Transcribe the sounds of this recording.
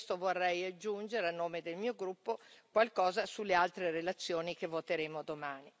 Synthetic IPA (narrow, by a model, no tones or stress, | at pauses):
st̪ovorːɛjad͡ʒːund͡ʒeɾeanːoːmed̪elmiːoɡɾupːokwalkɔːzasulːealt̪ɾeɾelat̪sːjoːnikevot̪eɾeːmod̪omaːni